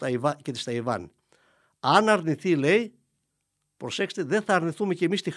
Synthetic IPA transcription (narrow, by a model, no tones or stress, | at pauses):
ɐivɐcet̪ist̪ɐivɐ̰n | ɐnɐɾniθile̞j | pɾo̞sekse̥t̪eðeθɐːɾniθumeceːmist̪ix